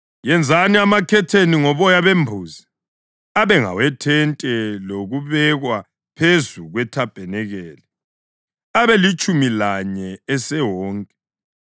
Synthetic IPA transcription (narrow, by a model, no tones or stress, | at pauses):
jɛnd͡zʱaniamakʰɛtʰeniŋɔβɔjaβembʱuːzi | aβɛŋa̰wɛtʰɛntʼɛloɣuβɛɣwa | pʰezuɣwɛtʰab̥ʱɛnɛɣɛːlɛ | aβɛlit͡ʃʼumilaɲɛɛsɛwɔːŋkʼɛ